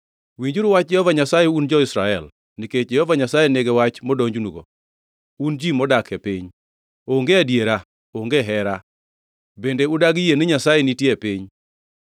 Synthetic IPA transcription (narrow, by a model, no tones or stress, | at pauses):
wiɲd͡ʒuɾwat͡ʃjɛhɔvaɲasajeund͡ʒɔɪsɾaɛl | niket͡ʃd͡ʒɛhɔvaɲasajeneɡewat͡ʃmɔdoɲd͡ʒunuɡo̰ | und͡ʒimɔdakɛpiɲ | oŋɡeadjeɾa | oŋɡeɦɛɾa | bendeʊdaɡijenɪɲasajenitjepiɲ